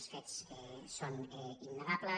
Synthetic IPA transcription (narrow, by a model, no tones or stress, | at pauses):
sfet̪sɛsonɛinːəɣablə